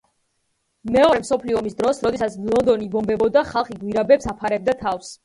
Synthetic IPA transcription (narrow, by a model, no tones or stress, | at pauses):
mɛɔɾɛmsɔpʰliɔmisd̪ɾɔsɾɔd̪ɛsat̪sʰlˠɔnd̪ɔnibɔmbɛbɔd̪aχalˠχiɡwiɾabɛpsapʰaɾɛb̚d̪at̪ʰafs